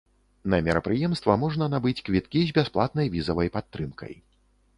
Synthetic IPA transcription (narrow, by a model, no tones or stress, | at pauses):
nɐmʲɛɾɐpɾɨjɛmst̪vɐmɔʐnɐnabɨt͡sʲkvʲit̪̚kʲizʲbʲasplˠat̪̚nɐjvʲizɐvɐjpat̪ːɾɨmkʰɐ̰j